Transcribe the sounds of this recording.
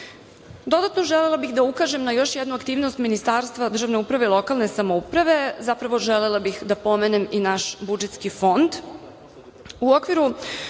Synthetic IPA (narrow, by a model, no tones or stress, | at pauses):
d̪o̞d̪at̪noʒelelˠabixd̪aukaʒe̞mnajo̞ʃjed̪nuakt̪iːʋnost̪minist̪aːɾst̪ʋad̪r̩ʒaʋne̞upɾaʋe̞ilˠo̞kalˠnesamoupɾaʋe̞zapɾaʋo̞ʒelelˠabixd̪apo̞meneminaʃbud͡ʒet̪skifo̞nd̪ | uo̞kʋiɾu